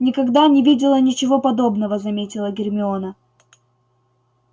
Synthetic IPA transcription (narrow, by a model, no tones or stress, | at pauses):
nʲɪkɐɡd̪anʲɪvʲidʲɪlˠənʲɪt͡ɕɪvo̞pɐd̪o̞bnəvəzɐmʲetʲɪlˠəɡʲɪrmʲɪonə